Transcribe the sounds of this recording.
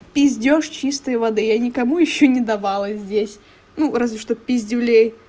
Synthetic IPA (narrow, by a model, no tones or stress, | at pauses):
pʲɪzʲdʲoʂt͡ɕist̪əjvɐd̪ɨjanʲɪkɐmujɪɕːonʲɪd̪ɐvalˠəzʲdʲesʲ | nuɾazʲvʲɪʂt̪opʲɪzʲdʲɪvlʲej